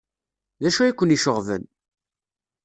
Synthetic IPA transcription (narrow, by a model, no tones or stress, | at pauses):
ðæʃuikʷːəniʃəʁvə̰n